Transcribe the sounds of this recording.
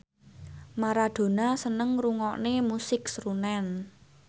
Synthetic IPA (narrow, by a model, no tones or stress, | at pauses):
maɾad̪̥o̤nasənəŋruŋɔʔnemusɪksrunɛn